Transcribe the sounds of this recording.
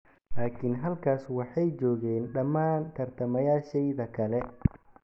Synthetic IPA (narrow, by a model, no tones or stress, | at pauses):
laːkʰinɦɐlkʰaːswɑħɑjt͡ʃɔːɣɛːnɖɐmaːnt̪ʰɐrt̪ʰɐmɐjaːʃɛjðɐkʰɐlɛ